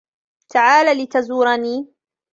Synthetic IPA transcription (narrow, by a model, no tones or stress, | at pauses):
t̪ʰaʕaːlaːlɪt̪azuːɾˤɑniː